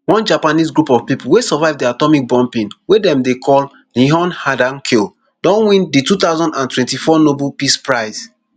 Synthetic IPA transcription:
wɔ̃nd͡ʒapanisɡɹupɔv̥pipuwesɔvaɪvdiatɔmik̚bɔ̃mpĩnwedɛ̃mdekʰɔl | lĩɦɔ̃nhadãnkʰel | d̥ɔ̃nwĩnditut̪aʊzɔ̃ndãntwɛ̃ntifɔnobulpispɹaɪs

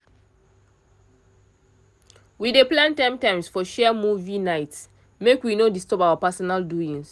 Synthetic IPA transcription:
wideplãntãmtãɪ̃msfɔʃɛmuvinaɪt | mekwinodistɔpawapasɔnalduĩŋs

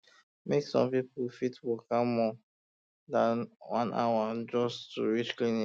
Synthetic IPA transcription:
meksɔ̰̃mpipufitwikãmːɔ | dãnwã̰na̰wad͡ʒɔstṵɹit͡ʃklĩni

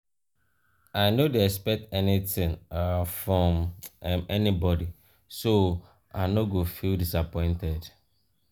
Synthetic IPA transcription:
aɪnodeɛkspɛk̚tɛnitɪ̃ŋafɹɔ̃mmɛnibɔdi | so | a̰ɪnoɡofildisapɔ̃ɪ̃ntɛd

